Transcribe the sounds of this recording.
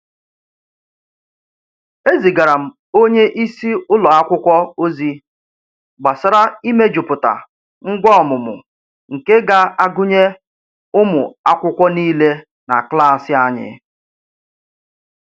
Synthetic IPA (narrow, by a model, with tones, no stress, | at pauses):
e˦zi˨ɡa˨ɾa˨m̩˨ | o˦ɲe˦ʔi˦si˦ʊ˦lɔ˨a˦kʷʊ˦kʷɔ˦o˦zi˦ | ɡ͡ba˨sa˨ɾa˦i˦me˦d͡ʒʊ˨pʊ˨ta̰˨ | ŋ̩˦ɡʷɔ˦ɔ˨mʊ˨mʊ̰˨ | ŋ̩˨ke˦ɡa˦a˦ɡʊ˦ɲe˦ | ʊ˦mʊ˨a˦kʷʊ˦kʷɔ˦niː˦le˦ | na̰˨kla˦˨sɪ˦a˦ɲɪ̰˨